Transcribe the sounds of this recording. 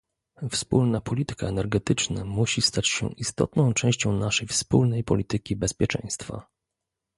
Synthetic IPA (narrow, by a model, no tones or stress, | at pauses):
fspulnapɔlʲit̪ɘ̥kaɛnɛɾɡɛt̪ɘt͡ʂna̰muɕist̪at͡ɕɕɛ̰ʔist̪ɔ̰t̪nɔ̃w̃t͡ʂɛ̃w̃ɕt͡ɕɔ̃w̃naʂɛjfspulnɛjpɔlʲit̪ɘkʲibɛspʲjɛt͡ʂɛ̰̃j̃st̪fa̰